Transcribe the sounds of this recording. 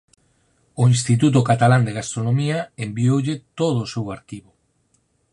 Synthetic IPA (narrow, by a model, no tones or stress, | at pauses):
oinst̪it̪̬ut̪̬ʊkat̪aland̪eɣast̪ɾonomiaembiowʎet̪oð̞oːsewaɾkiβʊ